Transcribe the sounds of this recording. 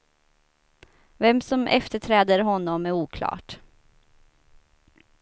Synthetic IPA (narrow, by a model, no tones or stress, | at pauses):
vɛmsɔmʔɛ̰ft̪əʈʰɾɛːd̪əɾɦɔnːɔmæɾuːkʰlɑ̰ːʈ